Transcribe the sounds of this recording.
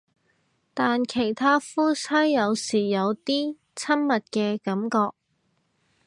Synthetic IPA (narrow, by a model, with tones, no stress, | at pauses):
t̪aː˨nkʰe˨˩jt̪ʰaː˥fuː˥sʰɐ˥jːɐ˨˧wsiː˨˩jɐ˨˧wt̪iː˥ | t͡sʰɐ˥nmɐ˨t̚kɛː˧kɐ˨˥mkɔː˧k̚